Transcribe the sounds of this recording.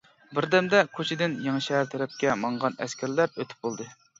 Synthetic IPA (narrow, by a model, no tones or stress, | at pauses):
bɪɾd̪ɛmd̪ɛkʰot͡ʃʰɪd̪ɪnjeŋɨʃɛɦæɾt̪ʰɛɾɛp̚kʲɛmɑɴʁɑnɛ̰skʲʰæɾlæɾøt̪ʰɪ̥p̚bolˠd̪ɨ